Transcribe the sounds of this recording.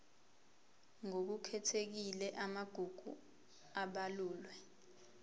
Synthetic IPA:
ŋok̬ukʰɛtʰek̬ilɛʔamaɡ̥ʱuɡ̥ʱu | aɓaluːlwɛ

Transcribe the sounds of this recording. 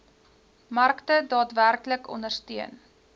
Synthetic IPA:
mɐrktədɑːtværkləkɔ̰ndərstyən

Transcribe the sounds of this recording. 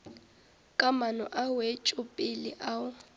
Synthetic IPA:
kʼamanɔʔawet͡ʃʼʊpʼɪlɪ̰ʔaʊ

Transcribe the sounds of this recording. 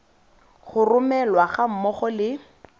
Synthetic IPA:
χʊrʊmɛlwaχam̩mɔχɔlɪ

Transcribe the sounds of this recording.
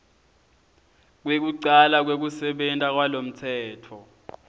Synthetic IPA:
k̬wek̬uǀalak̬wek̬usɛɓɛntʼak̬walom̩tʰɛːtʰɔ

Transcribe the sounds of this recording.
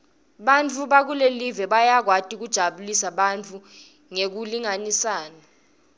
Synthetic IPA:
ɓant͡fʰuɓak̬ulelivɛɓajak̬watʼik̬ud̥ʒ̥ʱaɓulisaɓant͡fʰu | ŋek̬uliŋanisaːna

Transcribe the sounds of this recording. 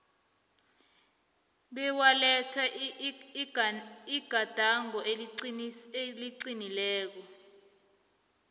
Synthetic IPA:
ɓɛwalɛtʰa | iɡ̥ʱad̥ʱaŋɔʔe | eliǀinilɛːk̬ɔ

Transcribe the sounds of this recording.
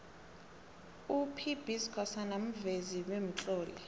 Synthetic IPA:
upʰib̥ʱiskʰɔsanam̩veziwem̩ǁʼoːli

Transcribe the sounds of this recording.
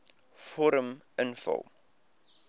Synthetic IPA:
fɔɾəmənfɐ̰lˠ

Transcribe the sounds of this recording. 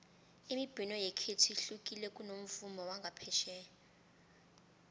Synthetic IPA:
imib̥ʱinɔjɛkʰetʰuiɬukʼilɛkʼunom̩fumɔwaŋɡʱapʰɛʃɛː

